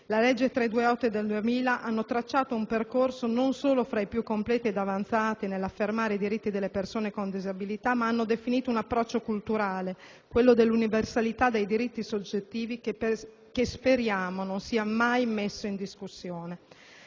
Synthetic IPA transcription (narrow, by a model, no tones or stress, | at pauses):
lalɛd͡ʒːet̪ɾed̪uːeɔt̪ːed̪eld̪uemiːlaʔanːot̪ɾat͡ʃːaːt̪oumperkorsononsoːlofɾaipjukːomplɛːt̪ied̪avant̪saːt̪inelːafːermaːɾeid̪iɾit̪ːid̪elːepersoːnekond̪izabilit̪amːaanːod̪efiniːt̪ounapːɾɔt͡ʃːokult̪uɾaːle | kwelːod̪elːuniversalit̪ad̪ejd̪iɾit̪ːisod͡ʒːet̪ːiːvi | kespeɾjaːmononsiːamajmesːoind̪iskusːjoːne